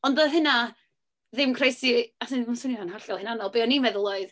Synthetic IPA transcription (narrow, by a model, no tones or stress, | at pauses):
ɔndɔɦɨna | ðɪmkʰrejsiasiɔmsʊninanhaɬɔlˠhɪnanɔlˠbeːɔnimɛðəlˠɔɨð